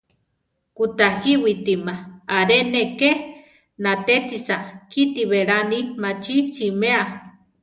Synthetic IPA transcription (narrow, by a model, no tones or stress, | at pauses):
kut̪ahiwit̪imaaɾeneke | nat̪et̪isakit̪iβeɾanimat͡ʃisimea